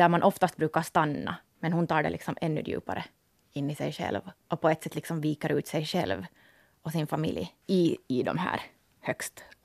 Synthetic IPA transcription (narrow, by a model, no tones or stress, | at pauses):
d̪æɾmanʔɔft̪ast̪bɾʉːkaɾst̪anːɑ̰ | mɛnhʊnt̪ʰɑːɖɛ̰lɪksɔmʔɛnːɵ̰d̪jʉ̰ːpa̰ɾʔə | ɪnːɪsɛjʂɛ̰lvɔpʰɔɛt̪ːsɛt̪ːlɪksɔmviːkɑɾʉ̟ːt̪sɛjʂɛlv | ɔsɪnfamɪ̰ljɪɪd̪ɔ̰mhæ̰ːɾ | hœkst̪